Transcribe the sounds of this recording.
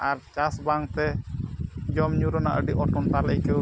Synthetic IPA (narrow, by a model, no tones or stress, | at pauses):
ʔaɾt͡ʃasbaŋt̪ɛ | d͡ʒɔmɲuɾɔna̰ʔə̰ɖiʔɔʈɔnt̪aləkə